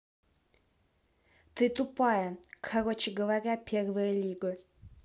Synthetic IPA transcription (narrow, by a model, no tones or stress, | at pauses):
t̪ɨt̪upajɐkʰaɾot͡ʃɪɡəvaɾʲapʲʰervɨjəlʲiɡɨ